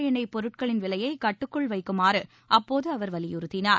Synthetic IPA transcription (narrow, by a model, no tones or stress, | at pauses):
jɐnɐɪpːɔɾɯʈ̚kɐɭɪnʋɪlɐjɐɪkɐʈːɯkːɯɭʋɐɪkːɯmaːɾɯ | ʔɐpːoːðɯɐʋɐɾʋɐlɪjʊɾɯt̪ːɪnaːɾ